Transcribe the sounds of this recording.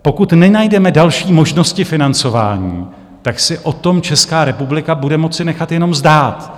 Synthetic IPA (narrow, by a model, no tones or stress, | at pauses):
po̞kut̪nɛnajdɛmɛdalʃiːmo̞ʒno̞scɪfɪnant͡so̞va̰ːɲiː | t̪aksɪʔo̞t̪o̞mt͡ʃɛskaːɾɛpublɪkabudɛmo̞t͡sɪnɛxat̪jɛno̞mzdaːt̪